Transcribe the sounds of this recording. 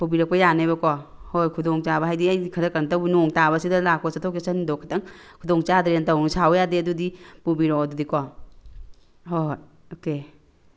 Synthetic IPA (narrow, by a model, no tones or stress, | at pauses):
pubiɾɐk̚pɐjanabɐkɔhojkʰudɔŋt͡ʃabɐɦajdiajkʰɐɾɐkantawnɔŋtaβɐsidɐlak̚pɐsatʰɔkesanidɔkʰatɐŋkʰudɔŋt͡ʃadɾentawnsawjadeɐdudipubiɾɔɐdudikɔ | ɦo | oke